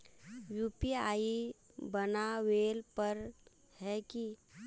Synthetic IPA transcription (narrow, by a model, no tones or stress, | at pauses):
juːpiaːi | bənaʋeːlpəɾ | hɛki